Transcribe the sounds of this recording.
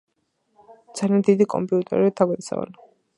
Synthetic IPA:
d̪z̥aliand̪id̪ikʼɔmpʼiut̪ʼɛ̰ɾiit̪ʰaɡad̪isa̰va̰n

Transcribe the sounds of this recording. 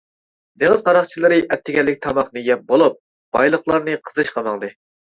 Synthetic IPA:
d̪eŋəzqʰɑɾɑχt͡ʃʰilˠɨɾɨʔɛt̪ʰːɪɡʲɛlːɪk̚ʲt̪ʰɑmɑχnɨjɛp̚bolˠup̚ | b̥ɑjlˠəχlˠɑɾnɨqʰə̥zɨʃqʰɑmɑŋd̪ɨ

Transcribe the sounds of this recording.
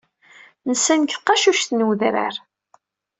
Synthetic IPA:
nəsːænçθqɑʃuʃθnəwðɾæ̰ɾ

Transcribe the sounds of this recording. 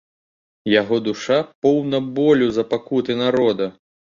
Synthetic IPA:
jaɣɔd̪uʂapɔwnɐbɔlʲuzɐpakut̪ɨnaɾɔd̪ɐ

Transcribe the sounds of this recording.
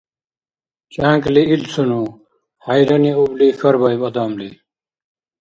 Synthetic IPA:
t͡ʃãːŋkliilt͡sʰunu | hajɾʌniublixʌɾbʌjbʌd̪amli

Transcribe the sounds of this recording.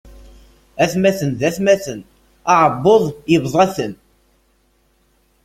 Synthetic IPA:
æθmæθənðæθmæθən | ɑʕəbːoðˤjəvðˤæθən

